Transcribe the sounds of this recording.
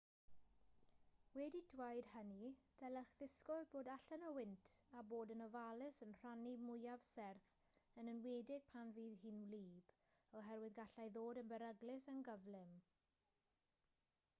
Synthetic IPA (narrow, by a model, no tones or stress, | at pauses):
wɛdidwajdhənid̥ɛləχðɪskɔðboːdaɬənəwɪntʰaboːdənɔvalˠɪsənr̥animʊjavsɛrθ | ənənweːdɪɡ̚pʰanviːðhiːnwliːb̥ | ɔɦɛɾwɪðɡaɬajðoːdənbəɾəɡlɪsənɡəvlɪm